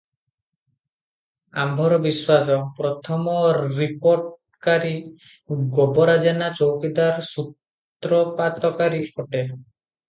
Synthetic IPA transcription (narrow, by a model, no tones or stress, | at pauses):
ambʱɔɾɔbiswasɔpɾɔt̪ʰɔmɔɾipoɾʈ | kaɾi | ɡɔbɔɾad͡ʒanat͡ʃowkid̪aɾsut̪ | ɾɔpat̪ɔkaɾikʰɔʈe